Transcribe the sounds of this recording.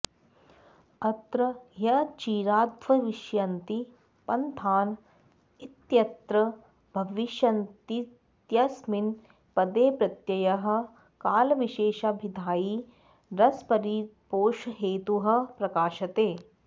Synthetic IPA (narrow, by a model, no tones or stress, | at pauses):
ɐt̪ɾɐjɐt͡ʃiːɾaːd̪ʱʋɐʋiʃjɐnt̪i | pɐnt̪ʰaːn | it̪jɐt̪ɾɐ | bʱɐʋiʃɐnt̪i | t̪jɐsmin | pɐd̪eːpɾɐt̪jɐjɐɦɐ̆ | kaːlɐʋiʃeːʃabʱid̪ʱaːji | ɾɐspɐɾipoːʃɦeːt̪uɦɐ̆pɾɐkaːʃɐt̪eː